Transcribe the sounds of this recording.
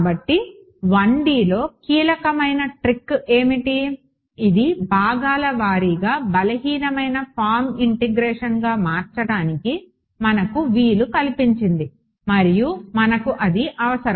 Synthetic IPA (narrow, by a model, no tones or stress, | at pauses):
bɐʈːi | ʋɐɳɖiːlo̞ːkiːlɐkɐmɐjnɐʈɾikːe̞ːmiʈiː | d̪ibʱaːɡaːlɐʋaːɾiɡaːbɐlɐɦiːnɐmɐjnɐpʰaːɾmiɳʈeɡɾeːʂɐnɡaːmaːɾt͡ʃɐɽaːniki | mɐnɐkuʋiːlukɐlipiɲt͡ʃind̪i | mɐɾijumɐnɐkuʔɐd̪iʔɐʋɐsɐɾɐ